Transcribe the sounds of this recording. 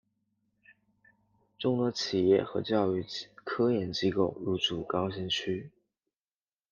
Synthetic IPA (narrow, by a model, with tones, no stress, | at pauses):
ʈ͡ʂʊ˥˧ŋt̪ə˧˥t͡ɕʰi˨˩jɛ̰˥˩xɤ̰˧˥t͡ɕjɑ˥˧ʊy˥˩kʰɤ˥jɛ˧˥nt͡ɕi˥ko˥˩ʊɻu˧˥t͡su˨˩kɑ˥ʊɕ̬i˥ŋt͡ɕʰy˥